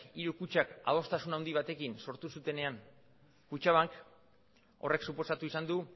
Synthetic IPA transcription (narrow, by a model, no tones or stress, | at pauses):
iɾukut͡ʃaka̰ð̞o̞st̪asunawnd̪iβ̞at̪e̞kinso̞ɾt̪usut̪e̞ne̞aŋ | kut͡ʃaβaŋk | o̞re̞ksupo̞sat̪uisand̪u